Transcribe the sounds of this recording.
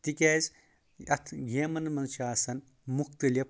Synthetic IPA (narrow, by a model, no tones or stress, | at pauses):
t̪ikʲeːz | ɐt̪ʰɡeːmɐnmɐnt͡ʃʰaːsɐn | mukt̪ɐlʲɐp